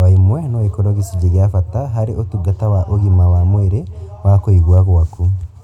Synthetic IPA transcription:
aimwɛnɔekoɾɔɣisid͡ʒeɣeafataɦaɾeotuɡatawaʔoɣimawamweɾewakoiɣwaɣwaku

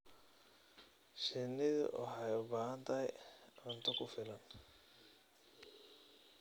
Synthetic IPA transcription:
ʃɪnɪðʊ̰wʔɑ̰ħɑjʊbaːɦɐnt̪ʰɐɦɛjɔnt̪ʰɐkʰʊfɪlɐn

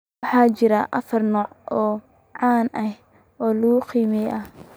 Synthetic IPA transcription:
ɑħɑːt͡ʃɪɾɐʔɐ̰fɐrnɔːʕɔː | ʕɑːnʔɐh | ɔːlɐɣʊqiːmɛjʔɐh

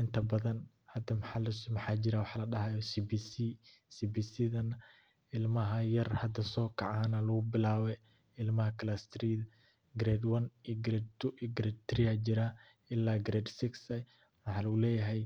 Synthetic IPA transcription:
ʔɪnt̪ʰɐbɐðɐn | hɐd̪ɐmħɑlɐsmɐħɑːd͡ʒɪɾaːwɑħlɐɖɐɦɐjɔsibisi | sibisiðɐn | ʔɪlmɐɦɐjɐrhɐd̪ɐsɔːkʰɑʕaːnɐlɐɣʊbɪlaːβɛ | ɪlmɐhɐkʰɐlast̪ʰɾiːðɐ | ɡɾɛd̪wɐniɡɾɛd̪̚t̪ʰʊʔiɡɾɛd̪̚t̪ʰɾɪad͡ʒɪɾa | ɪlːaːɡɾɛd̪sɪksɐ | mħɑːlɐɣʊlɛːjɐɦɛj

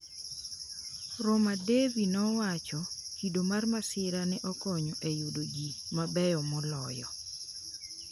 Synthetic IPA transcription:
ɾɔmadevinɔwat͡ʃɔhidomarmasɪɾanɛʔɔkɔɲɔʔejudoɡimabɛjɔmɔlɔjɔ

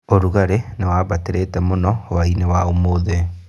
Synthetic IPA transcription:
oɾuɣaɾenewaːβateɾeːtɛmonɔwainewaomoðe

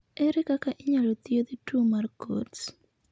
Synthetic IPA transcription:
ɛɾɪkakaʔɪɲalot̪iod̪itumarko̰ts

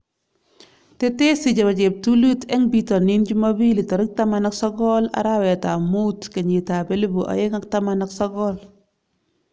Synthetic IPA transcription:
tɛtɛsid͡ʒabad͡ʒɛp̚tulutɛŋbitɔnind͡ʒumabilitɔɾik̚tamanaksɔɡɔla̰ɾawɛtamutkaɲitabɛlibuʔa̰jeŋak̚tamanaksɔɡɔl

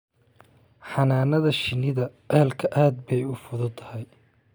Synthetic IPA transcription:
ħɑnaːnɐðɐʃɪnɪðɐ | ɛhɛlkʰɐʔaːd̪̚bɛjʊfʊðʊt̪ʰɐhɛj

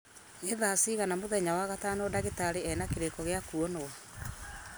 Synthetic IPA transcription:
eðaːsiːɣanamoðɛɲawaɣataːnodaɣetaɾeɛnakeɾekɔɣeakuɔno

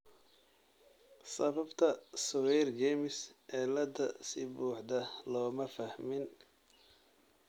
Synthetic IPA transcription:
sɐβɐbt̪ʰɐsʊwɛjrɡɛmɪsɛːlɐd̪ɐ̰sɪbuːħd̪ɐlɔːmɐfɐhmɪn

